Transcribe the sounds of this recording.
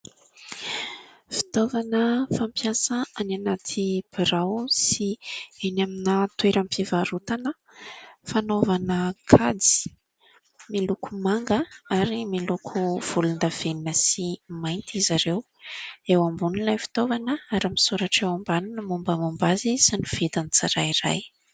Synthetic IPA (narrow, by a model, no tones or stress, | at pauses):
fi̥t̪ovanəfampjasaananat̪ʰib̥iɾawsienaminət̪weɾampivaɾut̪anə | fanovanəkʰad͡zi̥ | milukumaŋɡəaɾimilukʰuv̥ulund̪av̥eninəsimajnt̪izaɾew | ewambunilajfi̥t̪ovanəaɾamisuɾaʈ͡ʂewambanunəmumbəmumbazisanuv̥ed̪anit͡saɾaiɾa̰j